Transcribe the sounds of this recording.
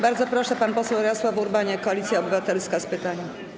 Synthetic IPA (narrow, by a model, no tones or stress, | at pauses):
baɾd̪zɔpɾɔʂɛpanpɔsɛwɾɛɔswavuɾbaɲɛkɔalʲit̪sʲjaɔbɘvat̪ɛlskaspɘt̪aɲa